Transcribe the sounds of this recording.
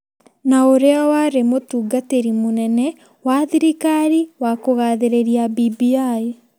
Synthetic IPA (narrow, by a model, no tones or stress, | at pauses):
naoɾeawaɾemotuːɡateɾimonɛnɛ | waðiɾikaɾiwakoɣaːðeɾeɾiabibiae